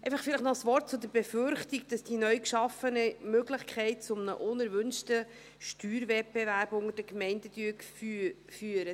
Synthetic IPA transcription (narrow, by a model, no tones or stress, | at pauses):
ɛjfɑχfɪlɪχtnɔsʋɔrt̚t͡sʊdəɾbɛfʏɾχtik̚d̥ɑsd̥inœɥkʃɑfənəmøɡlɪχkʰɛɪt̚t͡sʊmnə̰ʔʊnəɾvʏnʃtə | ʃtyːɾvɛt̚b̥evæɾbʊŋəd̥əkmɛɪndəd̥yəkfy | fyːəɾə